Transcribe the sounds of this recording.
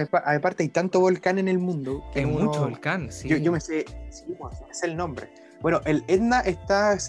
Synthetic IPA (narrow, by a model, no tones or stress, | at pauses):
paʔajpaɾt̪eajt̪ant̪oβo̞lkane̞ne̞lmũnd̪okemut͡ʃoβolkansjojomesesiposmeseːlno̞mbɾḛ | b̥wenoʔeled̪naʔest̪as